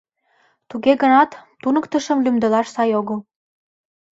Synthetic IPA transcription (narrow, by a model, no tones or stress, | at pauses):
t̪uɣeɣə̆nɑt̪ːunə̆kt̪ə̆ʃə̆mlymd̪ə̆lɑʃsɑjoɣə̆l